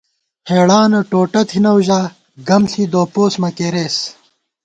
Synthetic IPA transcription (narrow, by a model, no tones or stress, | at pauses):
heːɽaːnɐʈoːʈɐt̪ʰinɐwʑaː | ɡɐmɬid̪oːpoːsmɐkeːɾeːs